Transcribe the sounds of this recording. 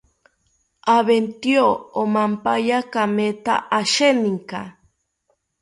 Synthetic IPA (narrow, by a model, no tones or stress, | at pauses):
aβent̪ioomampajakamet̪a̰ʔaʃeniŋka̰